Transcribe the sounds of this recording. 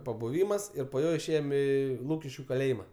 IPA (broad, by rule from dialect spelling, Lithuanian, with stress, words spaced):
pɐbʊˈʋʲiːmɐs ˈɪr poː ˈjoː ɪʃʲˈeːjoːm ˈiː ˈlˠuːkʲɪʃʲkʲʊ kɐˈlʲeːjɪmɐ